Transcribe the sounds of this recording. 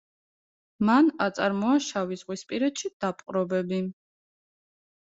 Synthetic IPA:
manat̪sʼaɾmɔaʃavizʁwispʼiɾɛt̪ʃid̪̥apʼqʼɾɔbɛbi

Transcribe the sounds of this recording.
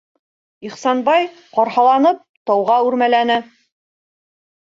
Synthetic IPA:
iχsɑnbɑj | qɑɾhɑlˠɑnɤp̚t̪ɑwʁɑʉɾmælænɘ

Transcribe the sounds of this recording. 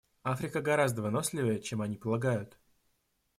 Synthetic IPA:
afɾʲɪkəɡɐɾazd̪əvɨno̞sʲlʲɪvəjət͡ɕemɐnʲipəlˠɐɡajʊt̪

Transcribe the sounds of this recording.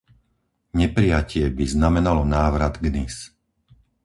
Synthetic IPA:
ɲɛpɾijacɪɛbiznamɛnalɔnaːʋɾad̪ɡnis

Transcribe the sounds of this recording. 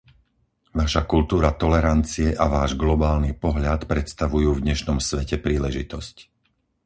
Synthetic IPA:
ʋaʃakult̪uːɾat̪ɔlɛɾant͡siɛʔaʋaːʒɡlɔbaːlnipɔɦʎat̪pɾɛt̪st̪aʋujuːvd̪ɲɛʃnɔmsʋɛcɛpɾiːlɛʒit̪ɔsc

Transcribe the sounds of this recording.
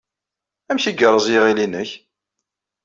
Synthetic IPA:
æmçiɡərˤːəzˤjiʁilinəç

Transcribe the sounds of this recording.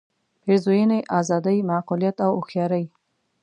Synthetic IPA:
peɾzojənəjʔɑzɑd̪əjmaqulijat̪awʊxjɑɾəj

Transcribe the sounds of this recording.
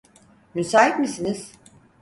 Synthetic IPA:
mysaːɦit̪misiniz̥

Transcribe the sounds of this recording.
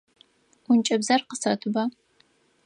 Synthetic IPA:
ʊnt͡ʃʼɐbzɐrqəsrɐtʰɨbaː

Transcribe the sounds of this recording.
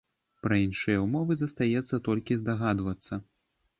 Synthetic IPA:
pɾɐinʂɨjɐwmɔvɨzɐst̪ajɛt̪sːɐt̪ɔlʲkʲizd̪aɣad̪vɐt̪sːɐ

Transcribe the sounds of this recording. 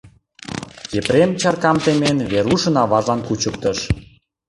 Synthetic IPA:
jepɾemt͡ɕɑrkɑmt̪emenβeɾuʃə̆nɑβɑʒɑnkut͡ɕək̚t̪əʃ

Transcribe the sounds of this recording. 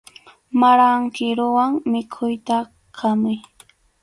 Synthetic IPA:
maɾaŋkɪɾʊwaŋmɪkʰʊjt̪a | kʰamʊj

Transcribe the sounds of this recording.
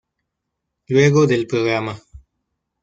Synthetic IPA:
lweːɡoːd̪elpɾoːɡɾaːmɐ

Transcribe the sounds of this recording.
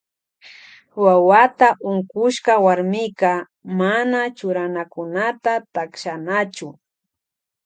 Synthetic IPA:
wawat̪aʔʊŋkʊʃkawaɾmɪka | manat͡ʃʊɾanakʊnat̪at̪akʃanat͡ʃʊ

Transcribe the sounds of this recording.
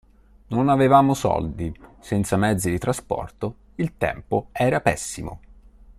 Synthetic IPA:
nonavevaːmosɔ̰ld̪isɛnt̪samɛd̪zid̪it̪ɾaspɔ̰rt̪o | ilt̪ɛ̰mpoɛːɾapɛsːimo̰

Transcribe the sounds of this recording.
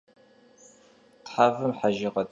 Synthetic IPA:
tħaːvɨmħaʒɪqɐtʰʼ

